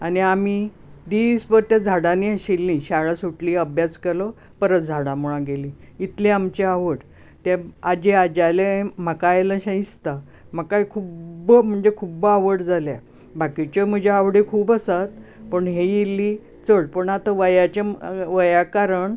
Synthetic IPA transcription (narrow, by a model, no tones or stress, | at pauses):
aniami | d̪ispəɾt̪jad͡zʱaɽaniəɕilːĩɕaɭasuʈliːəbʱjaskelɔ | pəɾət̪d͡zʱaɽãmuɭ̃ãɡeliit̪lẽamt͡ɕeaʋəɽ | t̪jaad͡ʑead͡ʑalem̤əkajlaɕə̃ĩst̪a | məkajkʰubm̤əɳd͡zekʰubaʋəɽd͡zʱalja | bakit͡ɕɔm̤əd͡ʑʱeaʋɽekʰuːbəsat̪pəɳɦejelːiː | t͡səɽpəɳat̪əʋəjat͡ɕaʋəjakaɾəɳ